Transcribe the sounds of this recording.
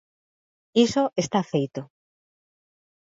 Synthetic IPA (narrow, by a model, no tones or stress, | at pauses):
isoʔest̪afejt̪o